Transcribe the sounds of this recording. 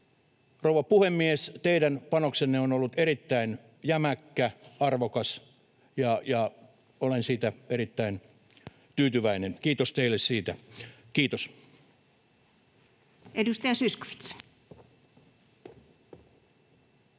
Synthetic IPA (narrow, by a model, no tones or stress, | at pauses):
rouʋɑpuhemːiest̪eiɾænpɑnoksenːeonolːut̪erit̪ːæin | jæmækːæɑrʋokɑs | jɑjɑ | olensiːt̪æerit̪ːæin | t̪yːt̪yʋæinenkiːt̪ost̪eilːessiːt̪æ | kiːt̪os | ʔedust̪æjɑsysko̥fi̥t̪s